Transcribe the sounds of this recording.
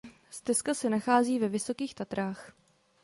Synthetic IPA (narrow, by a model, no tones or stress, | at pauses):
st̪ɛskasɛnaxaːziːvɛvɪso̞kiːxt̪at̪ɾaːx